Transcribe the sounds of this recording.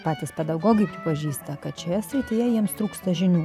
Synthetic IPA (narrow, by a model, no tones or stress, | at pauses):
pɑːt̪ʲɪspʲɛd̪ɐʊɡoːɡʲɪpʲɾʲɪpɐʒʲiːst̪ɐkɐt̪t͡ʃʲojɛsʲɾʲɪt̪ʲɪːjɛjiɛmst̪ɾuːkst̪ɐʒʲɪnʲuː